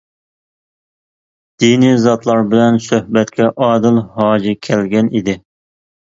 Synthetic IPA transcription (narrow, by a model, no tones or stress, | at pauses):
d̪̥inizɑt̪lˠɑɾbɪlɛnsøhbɛt̪kʲʰɛʔɑːd̪ɨlhɑːd͡ʒɪkʲʰɛlɡʲɛnid̪ɪ